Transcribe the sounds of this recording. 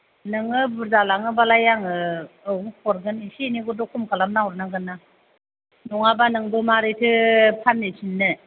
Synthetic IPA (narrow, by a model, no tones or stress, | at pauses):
nɯŋɯbuɾzalaŋɯbalajaŋɯɯwukʰɔɾɡɯnisiniɡudɔkʰumkʰalamnawɾnaɡɯnːa | nɔŋabanɯŋbɯmaɾɯtʰɯpʰanːesʰinːɯ